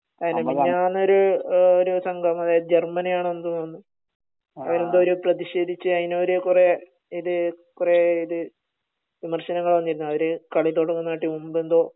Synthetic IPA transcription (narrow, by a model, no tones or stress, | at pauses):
ɐðineɲaːnːoɾuoɾusɐŋɡʱɐmɐðaːjɐðd͡ʑermɐnijaːɳend̪unːonːɨ | ɐʋɐɾend̪oɾuprɐðiɕe̞ːd̪it͡ɕːɨɐðineoɾekure | iðɨkureiðɨ | ʋimɐrɕɐnɐŋːɐɭʋɐnːiɾunːuɐʋɐɾekɐɭit̪ːoːʈːuŋɐnːaːʈːimumbend̪o̞ː